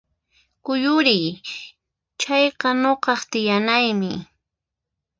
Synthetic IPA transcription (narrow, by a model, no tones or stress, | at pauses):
kʊjʊɾɪj | t͡ʃɑjqɑnoqɑχt̪ɪjanajmɪ